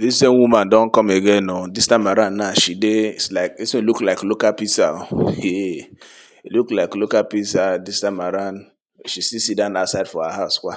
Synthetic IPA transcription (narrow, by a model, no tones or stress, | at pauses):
dissenwumandɔ̃nkɔmeɡenodistãmaɾãnːaʃideislaɪkisĩluklaɪklokalpisaje | luklaɪklokalpisadistãmaɾan | ʃisisidãnasaɪdfɔhaɦaʊskʷa